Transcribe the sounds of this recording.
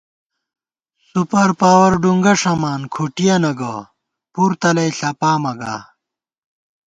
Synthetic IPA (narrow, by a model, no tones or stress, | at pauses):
supɐɾpaːwɐɾɖuŋɡɐʂɐmaːnkʰuʈijɐnɐɡɐ | puɾt̪ɐlɐjɬɐpaːmɐɡa̰ː